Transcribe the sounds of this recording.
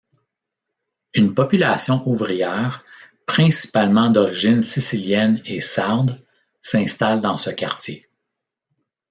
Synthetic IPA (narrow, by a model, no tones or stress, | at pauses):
ynpɔpylasjɔ̃ʔuvʁijɛːʁ | pχɛ̃si̥palmɑ̃d̪ɔʁiʒɪnsisiljɛnesaʁd̪ | sɛ̃st̪ald̪ɑ̃səkʲaʁt͡sʲje